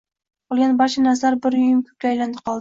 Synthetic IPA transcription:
b̥olˠɡʲanbɒʃanasaɾbɪɾʊjɪmkʲʰɵ̥k̚ʲlʲɪajland̪ɪqʰɒlˠd̪

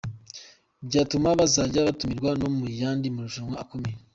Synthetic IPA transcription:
bɟaːtumaβazaːɟaβatumiɾɡwanomujaːndimuɾuʒuŋaakomeje

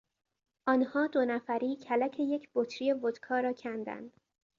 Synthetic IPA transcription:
ʔɒːnhɒːd̪onæfæɾiːcʰælæcʰe̞jecʰb̥ot̪ʰɾije̞bot̪kʰɒːɾɒːcʰænd̪æ̰nd̪̥

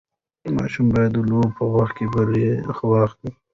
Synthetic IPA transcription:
mɑ̰ːʃumbɑjad̪uloːbpəwaxt̪̚kebəɾexəwɑːxd̪i

